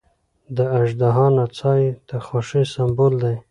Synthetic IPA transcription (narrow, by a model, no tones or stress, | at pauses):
d̪əaʒd̪aɦɑnat͡sɑjt̪axoʂisambold̪aj